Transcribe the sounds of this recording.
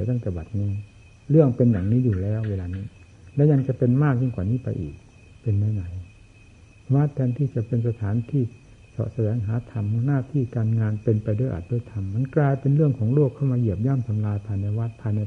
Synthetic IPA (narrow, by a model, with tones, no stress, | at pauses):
t̪aː˧˥˩nkɛː˧˩ba˨˩t̪̚ŋo˧ŋ | lɯ˥˩əŋpe˧nja˨˩ŋniː˦˥˨juː˨˩lɛː˦˥˨wweː˧laː˧niː˦˥˩ | lɛː˦˧˥ɲa˧ŋt͡ɕa˧˩˨pe˧nmaː˥˩k̚ɲɯ˧˥˩kwaː˨˩niː˦˥˨pa˧jʔḭː˨˩k̚ | pe˧nma˧˥˩jna˨˩˦j | waː˦˥t̪ʰːɛː˧nt̪ʰiː˧˥˩t͡ɕa˨˩pe˧nsa˧t̪ʰaː˨˦nt̪ʰiː˧˥˩ | sɔ̰˨˧˩sa˧dɛː˨˩˦ŋɦaː˨˦t̪ʰa˧mhnaː˧˩˨t̪ʰiː˥˩kaː˧nŋaː˧npe˧npa˧jdoː˧˥˩jʔa̰˨˩t̪̚doː˧˥˩jt̪ʰa˧mːa˧˥˨nklaː˧jpe˧nɾɯ˥˩əŋkʰɔː˩˦ŋloː˥˩kʰːa˥˩wmaː˧ji˧˩əp̚jaː˥˨mt̪ʰa˧mlaː˧jpʰaː˧jna˧jwaː˦˥˩t̪̚pʰaː˧jna˧